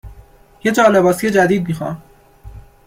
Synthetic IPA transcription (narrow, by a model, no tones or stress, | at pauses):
je̞d͡ʒɒːlebɒːsije̞d͡ʒæd̪iːd̪̚miːxɒ̰m